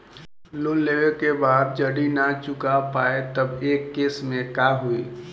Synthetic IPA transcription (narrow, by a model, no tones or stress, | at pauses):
loleʋekebaːd̪̚d͡ʒəɽinat͡ʃʊkapaːet̪əbeːkːeːsmẽkaɦui